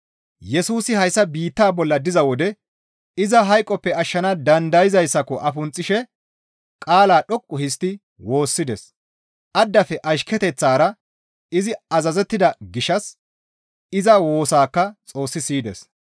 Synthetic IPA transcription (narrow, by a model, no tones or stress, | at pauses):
jɛsuːsɪhɐjsːɐbiːt̪ːaːbɔlːɐd̪ɪzɐwɔd̪ɛ | ɪzɐɦɐjkʼːɔpːɛɐʃːɐnɐd̪ɐnd̪ɐjɪzɐjsːɐkɔʔɐfʊnt͡sʼːɪʃɛ | kʼaːlaːɗɔkʼːʊhɪs̬t̪ːɪ | wo̞ːsːɪd̪ɛs | ʔɐd̪ːɐfɛʔɐʃkɛt̪ɛt͡sːaːɾɐ | ɪzɪɐzɐzɛt̪ːɪd̪ɐɡɪʃɐs | ɪzɐwo̞ːsaːkːɐt͡sʼo̞ːsːɪsiːd̪ɛ̰s